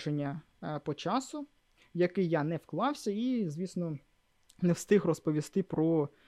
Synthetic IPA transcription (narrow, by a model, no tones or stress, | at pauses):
ʃenʲːɐ | pɔt͡ʃɑsʊ | jɐkɪjːanɛwklˠɑwsʲɐizʲʋʲisnɔ | nɛwst̪ɪxrɔspɔʋʲist̪ɪpɾɔ